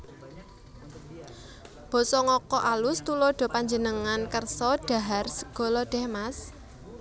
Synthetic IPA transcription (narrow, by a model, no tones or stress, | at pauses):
b̥ɔ̤sɔŋɔkɔʔalʊst̪ulɔɖ̥ɔ̤paɲd͡ʒənəŋankərsɔɖ̥ä̤ɦarsəɡ̥ɔ̤lɔɖ̥ɛ̤hmas